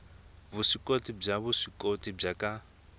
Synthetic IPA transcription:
busikʼotib͡ʐaβusikʼotib͡ʐakʼa

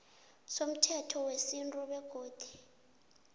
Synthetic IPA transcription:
som̩tʰɛtʰɔwesintʼuɓɛɡ̥ʱoːd̥ʱi̥

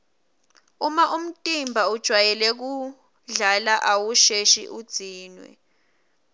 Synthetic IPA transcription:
umaʔum̩tʼimbʱaud̥ʒ̥ʱwajɛlɛk̬u | ɮalaʔawuʃeʃḭʔud̥z̥ʱiːnwɛ̰

